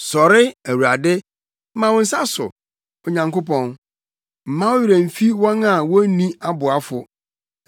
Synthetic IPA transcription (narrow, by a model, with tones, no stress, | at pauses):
sɔ˨ɾɪ˦æ˨wu˨a˨dɪ˦ | m̩˦mã˨wʊ̃˦n̩˦sa˦sʊ̰˨ | ɔ˨ɲã˨ŋkʊ˦pɔ̃˦n | m̩˨mã˦wʊ˦ɥɪ˨ɾæ̃˨m̩˨fi˦wɔ̃˦nã˨wɔ̃˦nĩ˦a˦bʊ˨a˦fʊ˨